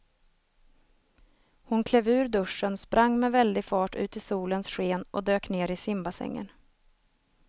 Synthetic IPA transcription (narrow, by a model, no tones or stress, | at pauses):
hʊnkʰlɛvʉ̟ːɾɖ̪ɵʂːənspɾʔaŋːmɛvɛld̪ɪɡfɑːʈʉ̟ːt̪ɪsuːlənsɧeːnʔɔ̰d̪øːkneːɾɪsɪmbasɛ̰ŋːə̰n